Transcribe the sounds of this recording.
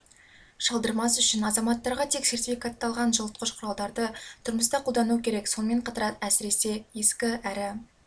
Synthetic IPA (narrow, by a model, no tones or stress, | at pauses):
ʃɑlˠd̪əɾmɑsʏʃɪnɑzɑmɑt̪ːɑɾʁɑt̪ʰe̞kse̞ɾt̪ifikat̪ːɑlˠʁɑnʒəlˠət̪̚qəʃqʰʊɾɑlˠd̪ɑɾd̪ət̪ʰʊɾməst̪ɑqʰulˠd̪ɑnukʲʰe̞ɾe̞kso̞nme̞ɴqʰɑt̪ɑɾɑt̪æsɪɾe̞se̞je̞skʲɪæɾɪ